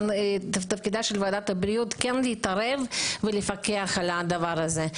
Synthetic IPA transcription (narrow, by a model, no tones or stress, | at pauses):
nt̪ɐt̪ɐfkid̪aʃelvead̪at̪abɾijut̪kɛnleit̪aɾevvelefakeaχalad̪ɐvaɾaze